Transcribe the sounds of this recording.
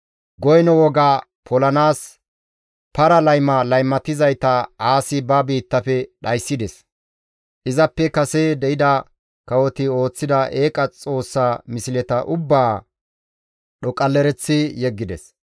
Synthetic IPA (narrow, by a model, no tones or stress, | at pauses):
ɡɔjnɔwɔɡaː | pʰɔlɐnaːs | pɐɾɐlɐjmɐlɐjmːɐt̪ɪzɐjt̪ɐaːsɪbɐbiːt̪ːɐfɛɗɐjsːɪd̪ɛs | ʔɪzɐpːɛkɐsed̪ɛɪd̪ɐ | kɐwɔt̪ɪo̞ːt͡sːɪd̪ɐʔeːkʼɐt͡sʼo̞ːsːaːmɪsɪlɛt̪ɐʔʊbːaː | ɗɔkʼɐlːɛɾɛt͡sːɪjɛɡːɪd̪ɛ̰s